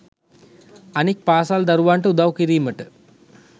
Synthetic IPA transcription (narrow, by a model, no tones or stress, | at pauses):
ɐnik̚paːsaːld̪ɐɾʋaːɳʈɨud̪aʋkiɾiːmɐʈːɨ